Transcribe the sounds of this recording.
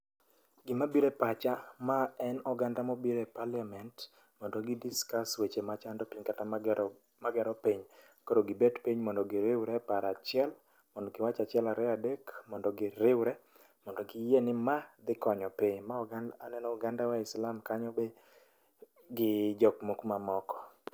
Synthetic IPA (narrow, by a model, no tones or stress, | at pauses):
ɡɪmabiɾɛpat͡ʃamaɛnɔɡandamobiɾɛpaljamɛnt | mɔndɔɡɪdiskaswet͡ʃemat͡ʃandɔpiɲkata | maɡɛɾɔpiɲ | koɾoɡɪbɛdpiɲmɔndɔɡɪɾɪwɾɛpaɾat͡ʃɪɛl | mɔndɔɡɪwat͡ʃat͡ʃɪɛlaɾɛadekmɔndɔɡɪɾɪwɾɛ | mɔndɔɡɪjenɪmad̪ɪkɔɲɔpiɲmaɔɡananɛnɔɔɡandawaɪslamkaɲɔbe | ɡɪd͡ʒɔkmokmamɔkɔ̥